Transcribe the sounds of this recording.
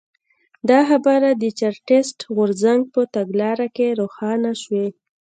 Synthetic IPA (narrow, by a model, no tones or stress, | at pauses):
d̪ɑxabɑɾad̪ət͡ʃaɾʈesʈɣʊɾzaŋɡ̚pət̪aɡlɑɾakeɾoxɑnaʃwe